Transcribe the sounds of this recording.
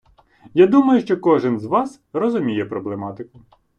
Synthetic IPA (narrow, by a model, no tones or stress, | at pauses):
jad̪umɐjʊʃt͡ʃɔkɔʒɪnzʋɑs | rɔzʊmʲijɛpɾɔblˠemɑt̪ɪkʊ